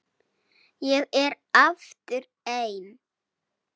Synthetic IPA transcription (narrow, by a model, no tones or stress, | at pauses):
jɛɣɛɾ | aft̪ʏɾ | ejn